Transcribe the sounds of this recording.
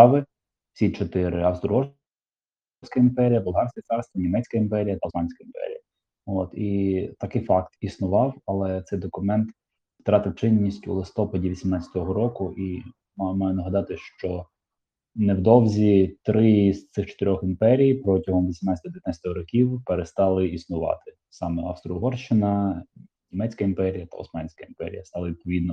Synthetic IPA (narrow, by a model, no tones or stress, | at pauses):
ʋɪ | sʲit͡ʃɔt̪ɪɾɪɐwst̪ɾɔɔ | sʲkɐimpɛɾʲijɐbʊlˠɦɑrsʲkɐt̪sɑrst̪ʋɐnʲimɛt͡sʲkɐimpɛɾʲijɐt̪ɐɑnʲsʲkɐimpɛ̰ɾʲḭjɐ | oːt̪it̪ɐkɪjfɑkt̪isnʊʋɑwɐlˠɛt̪sɛjd̪ɔkʊmɛnt̪ | wt̪ɾɑt̪ɪwt͡ʃɪnʲːisʲtʲṵlˠɪst̪ɔpɐdʲiʋʲisʲimnɑt͡sʲɐ̥t̪ɔɦɔɾɔkʊʔi | mmɑjʊnɐɦɐd̪ɑt̪ɪʃt͡ʃɔ | nɛwd̪ɔwzʲit̪ɾɪzt̪sɪxt͡ʃɔ̥t̪eɾʲɔximpɛɾʲijpɾɔtʲɐɦɔmʋʲisʲimnɑt͡sʲsʲt̪ɔd̪eʋʲɪnat͡sʲɐt̪ɔɦɔɾɔkʲiwpeɾest̪ɑlˠɪisnʊʋɑ̰t̪ɪ | sɑmɛɑ̰fst̪ɾʊɦɔrʃt͡ʃɪnɐ | nʲimɛt͡sʲkɐimpɛɾʲijɐt̪ɐ̰ʊ̰smɑnʲsʲkɐimpɛ̰ɾʲḭjɐst̪ɑlˠɐʋʲid̪̚pɔʋʲid̪nɔ